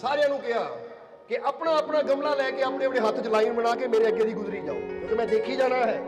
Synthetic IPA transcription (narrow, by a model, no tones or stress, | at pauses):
saːɾejãːnũːkɪɦaː | kɪʔəpnaːəpnaːɡəmlaːlɛːkeːəmneːəpnẽːɦət̪ʰt͡ʃlaːinbənaːkeːmeːɾeːəɡeːd̪iːɡʊzɾiːd͡ʒa̰ːõ̰ːkõːkeːmɛ̃ːd̪eːkʰiːd͡ʒaːnaːɦɛː